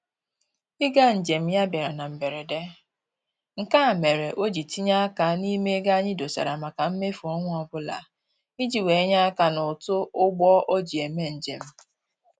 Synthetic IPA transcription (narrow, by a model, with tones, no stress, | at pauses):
ɪ˦ɡa˦n̩˨d͡ʒe˨m̩˦ja˦bja˨ɾa˨na˨m̩˨be˨ɾe˨de˦ | ŋ̩˨ka˦a˨me˨ɾe˨ʔo˦d͡ʒi˨ti˦ɲa˦a˦ka˨ni˦me˦ɡa˦ɲɪ˦do˨sa̰˨ɾa˨ma˨ka˨m̩˦me˦fu˨ɔ˦ŋʷʊ˦ɔ˦bʊ˦la̰˨ | i˦d͡ʒi˨we˨˦ɲa˦a˦ka˨nʊ˨tʊ˦ʊ˦ɡ͡bɔ˦ʔo˦d͡ʒi˨e˨me˦n̩˨d͡ʒḛ˨m̩˦